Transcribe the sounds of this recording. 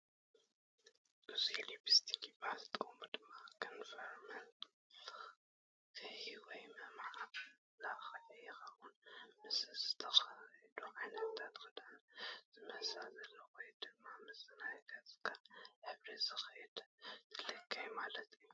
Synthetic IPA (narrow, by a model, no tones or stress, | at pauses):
ʔɨzilibist̪ʰi̥kibahzɨt̪ʼkʼombɨd̪ɨmːakʰɨnfɐɾmɐn | kʰɨhiwɔjmɨmʕab | laxɐɐjɛxɐβunmɨsɨzɨt̪ʰɐxɐd̪uʕajnɐt̪ʰːat̪kɨd̪anzɨmɐhsalzɐlːɐwojd̪ɨmːamɨsɨnajɡ̪ʰazɨ̥kʰaħɨβɾizɨxjɛd̪̥t̪ʰɨlɐkʰːajmalɐt̪ʰːu